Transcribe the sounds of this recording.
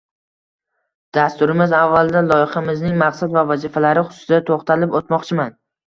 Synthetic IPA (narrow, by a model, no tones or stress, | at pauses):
d̪̥ast̪ʊɾɪmɪzavːald̪alˠɒjɪχɑmɪznɪŋmaqsad̪vavazifalaɾɪχʊ̥sʊ̥ɪd̪at̪ʰoχt̪ʰalɪpot̪mɒqt͡ʃʰɪman